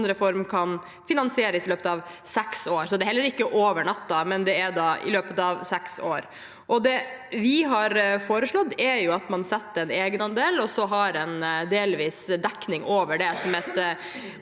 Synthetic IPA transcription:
nd̪ɾəfɔɾmkʰɑn | fɪnɑnsɪeːɾəsɪløːpət̪ɑʋsɛksoːɾsɔd̪ɛhɛlːəɾɪkːəʔoːʋəɳɑt̪ːɑmɛnd̪ɛæɖ̪ɑɪ̰løːpət̪ɑʋsɛkso̰ːɾ | ʔɔd̪ɛʋɪɦɑɾfoːɾəʂɭɔt̪ːɛɾjʊɑt̪mɑnsɛt̪ːəɛneːɡənɑnd̪eːlɔsɔɦɑɾɛnd̪eːlʋiːsd̪ɛkːnɪŋʔoːʋəɖɛsɔmɛt̪

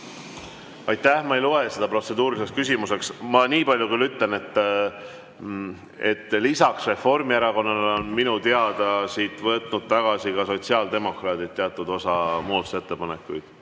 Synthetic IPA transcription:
ɑjt̪ːˑæhmɑeloese̞d̪̥ɑpro̞t̪se̞d̪uːɾilise̞kskys̬ʲimuse̞ksmɑniːpɑlʲjukylːyt̪ːˑle̞ne̞t̪ː | e̞t̪ːlisɑksre̞fo̞rmieɾɑko̞nːɑnonminut̪eɑd̪̥ɑsiːt̪ˑvɤt̪nud̪̥̚t̪ɑɡ̥ɑsikɑso̞tsiɑːld̪e̞mo̞krɑːt̪id̪̚t̪ːeɑt̪ːˑud̪o̞sɑmuːt̪u̥se̞t̪ːe̞pɑne̞kːˑujd̪̥

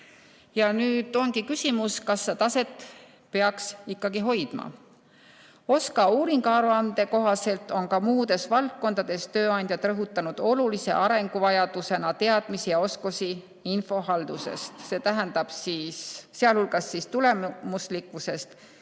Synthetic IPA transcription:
jɑnyːd̪̥o̞nɡ̥ikysʲimuskɑsːet̪ɑse̞t̪ːˑ | pe̞ɑksikːˑɑɡiɦo̞jd̪̥mɑ̰ | o̞skɑuːɾiŋɡ̥ɑːɾuɑnd̪̥e̞ko̞ɦɑse̞lt̪ˑo̞nkɑmuːd̪̥e̞svɑlt̪̚ko̞nd̪̥ɑd̪̥e̞st̪ø̞ːɑnʲd̪̥ʲjɑt̪ˑɾɤɦut̪ːˑɑnud̪̥o̞lulise̞̰ʔɑɾe̞ŋɡ̥uvɑjɑd̪̥use̞nɑt̪e̞ɑd̪̥misijɑo̞skosi | info̞ɦɑld̪use̞̰st̪se̞ːt̪æɦænd̪̥ɑb̥siːsːeɑlhulɡ̥ɑsːist̪ule̞mmuslikvuse̞st̪

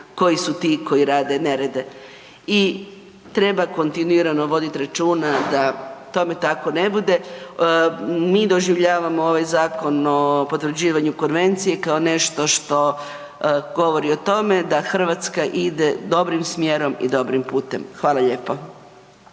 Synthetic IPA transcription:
ko̞jisut̪iko̞jiɾaːd̪e̞ne̞ɾed̪e̞ | i | t̪ɾe̞bako̞nt̪inuiɾanoʋo̞d̪it̪iɾat͡ʃuːnad̪at̪o̞me̞t̪ako̞ne̞bud̪e̞ | mid̪o̞ʒiʋʎaːʋamooʋajzaːko̞nopo̞t̪ʋr̩d͡ʑiːʋaɲukonʋe̞nt̪sije̞kaone̞ʃt̪o̞ʃt̪o̞ | ɡo̞ʋo̞ɾio̞t̪o̞me̞d̪axr̩ʋat̪skaʔid̪e̞d̪o̞bɾimsmje̞ɾo̞mḭd̪o̞bɾimpuːt̪ḛmxʋaːlˠaʎe̞ːpo

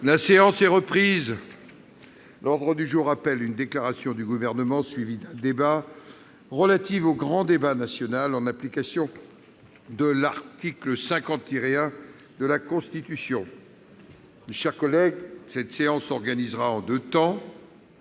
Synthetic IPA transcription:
laseɑ̃sɛʁəpχiz | lʔɔʁd̪ʁəd̪yʒuʁapɛlynd̪eklaʁasjɔ̃d̪yɡuvɛʁnəmɑ̃sɥivid̪ɛ̃d̪eba | ʁəlat̪ivoɡʁɑ̃d̪ebanasjɔnalɑ̃naplikasjɔ̃ | d̪əlaʁt̪ikləsɛ̃kɑ̃t̪iʁeɛ̃ | d̪əlakɔ̃st̪it̪ysjɔ̃ | meʃɛʁkɔlɛɡsɛt̪seɑ̃sɔʁɡanizʁaɑ̃d̪øt̪ɑ̃

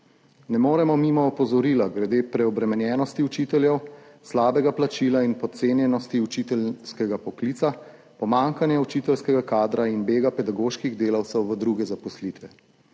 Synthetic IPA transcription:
nɛmoːɾɛmɔmimɔːpɔzɔɾiːlaɡɾɛd̪eːpɾɛɔbɾɛmɛnjɛːnɔst̪iut͡ʃit̪ɛljɛwslaːbɛɡaplat͡ʃiːlainpɔt̪̚seːnjɛnɔst̪iut͡ʃit̪ɛlskɛɡapɔkliːt̪sa | pɔmaːŋkanjɛut͡ʃit̪ɛlskɛɡakaːd̪ɾainbeːɡapɛd̪aɡoːʃkiɣd̪eːlawt̪sɛwʋəd̪ɾuɡɛzapɔslit̪ʋɛ

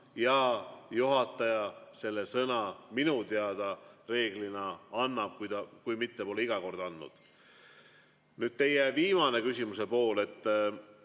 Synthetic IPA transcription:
jɑjuɦɑt̪ˑːɑjɑse̞lːesɤnɑminut̪eɑd̪̥ɑre̞ːɡ̥linɑɑnːɑb̥̚kujd̪ɑkujmit̪ːepo̞leiɡ̥ɑko̞rd̪ɑnːṵd̪̥ | nyːd̪̚t̪e̞jeviːmɑne̞kysʲimuse̞po̞ːle̞t̪ː

